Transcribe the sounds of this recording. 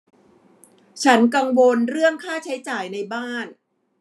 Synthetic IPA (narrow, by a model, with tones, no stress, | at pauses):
t͡ɕʰa˦˥nka˧ŋwo˧nɾɯ˥˩əŋkʰaː˥˩t͡ɕʰa˦˥jt͡ɕaː˨˩jna˧jbaː˥˩n